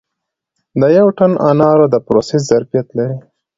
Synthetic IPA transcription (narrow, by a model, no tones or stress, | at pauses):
d̪əjawʈanʔɑ̰nɑɾod̪əpɾoseszaɾpijat̪laɾi